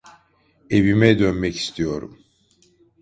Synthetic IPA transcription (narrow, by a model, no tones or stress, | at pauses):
e̞vimɛd̪ønmɛci̥st̪ʰijo̞ɾṵm